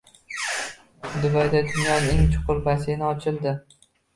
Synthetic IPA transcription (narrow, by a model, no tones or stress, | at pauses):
d̪ʊbajd̪ad̪ʊnjɒneŋt͡ʃʰʊ̥qʊɾbasenɪɒt͡ʃʰɪlˠd̪ɪ